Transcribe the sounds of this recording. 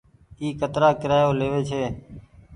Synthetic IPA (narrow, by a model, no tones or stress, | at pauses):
iːkət̪ɾaːkɪɾaːjoːleːʋeːt͡ʃʰeː